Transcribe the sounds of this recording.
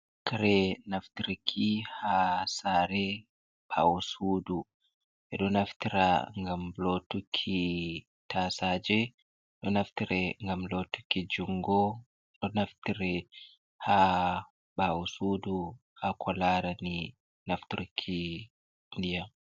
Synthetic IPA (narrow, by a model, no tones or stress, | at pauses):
kaɾɛnaftiɾikʰːihasaːɾɛ | ɓ̥a̰wusudu | ʔɛɗɔnaftiɾa̰ŋɡamlotukʰːi | tʰasad͡ʒɛ | ɗɔnaftiɾɛŋɡamlotːu̥kːid͡ʒuŋɡɔ | ɗɔnaftiɾɛ | ha | ɓawusudu | hakʰɔlaːɾani | naftiɾikʰi | ndija